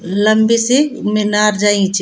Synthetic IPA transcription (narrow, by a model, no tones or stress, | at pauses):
lɐmbesemɪnaːɾd͡ʒaːĩt͡ʃʰ